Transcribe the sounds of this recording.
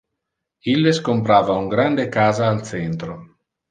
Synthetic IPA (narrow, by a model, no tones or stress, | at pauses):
ilːeskompɾaːvauŋɡɾand̪ekaːzaːlt̪sɛnt̪ɾo